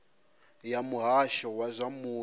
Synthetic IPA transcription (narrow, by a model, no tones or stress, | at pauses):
jamuɦaʃɔwazʷamuː